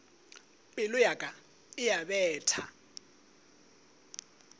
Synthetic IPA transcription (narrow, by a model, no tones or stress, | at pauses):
pʼɪlʊjakʼa | ɪjabɛːtʰa